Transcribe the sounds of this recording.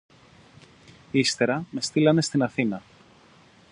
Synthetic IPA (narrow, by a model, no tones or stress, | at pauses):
ist̪e̞ɾɐme̞st̪ilɐne̞st̪inɐθinɐ